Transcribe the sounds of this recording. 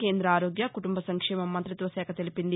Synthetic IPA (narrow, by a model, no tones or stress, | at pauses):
ke̞ːnd̪ɾɐaːɾoːɡjɐkuʈumbɐsɐŋkʂɛːmɐmːɐnt̪ɾɐt̪ʋɐsɛːkɐt̪e̞lipind̪i